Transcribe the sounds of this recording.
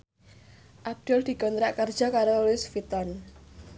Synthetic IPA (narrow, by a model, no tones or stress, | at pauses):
ʔab̚d̪̥ɔld̪̥i̤ɡ̥ɔ̤nt̪ɾaʔkərd̥ʒ̥ɔ̤kaɾolɪsfit̪ɔn